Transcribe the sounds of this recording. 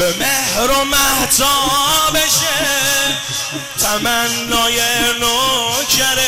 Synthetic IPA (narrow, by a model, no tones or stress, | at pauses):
bemehɾomæht̪ʰɔbeʃe | t̪ʰæmænːɔːjenokʰæɾe